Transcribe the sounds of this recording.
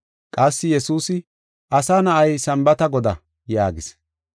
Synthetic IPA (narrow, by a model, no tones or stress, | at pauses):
kʼɐsːɪjɛsuːsɪ | ʔɐsaːnɐʔɐjsɐmbɐt̪ɐɡɔd̪ɐ̰ | jaːɡɪs